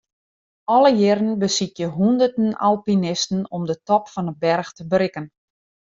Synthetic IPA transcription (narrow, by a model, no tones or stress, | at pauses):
ɔləjɪɾənbəsitjəɦundərtəna̰lˠpinɪstn̩ɔmdətɔpfɔnət̚bɛrxtəbɾɪkən